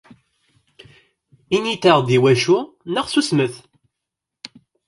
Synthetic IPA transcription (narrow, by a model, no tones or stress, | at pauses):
init̪əʁd̪iwæʃu | nəʁsusməθ